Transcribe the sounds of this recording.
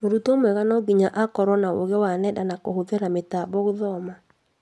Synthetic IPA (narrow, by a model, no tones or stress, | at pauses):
moɾutomwɛɣanɔɡiɲaʔakɔɾwɔnao̰ɣɛwanɛdanakohoðɛɾametabɔɣoðɔma